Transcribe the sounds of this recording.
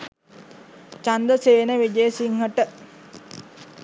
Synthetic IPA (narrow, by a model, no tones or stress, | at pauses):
t͡ʃand̪əseːnəʋid͡ʒeːsiŋɦəʈə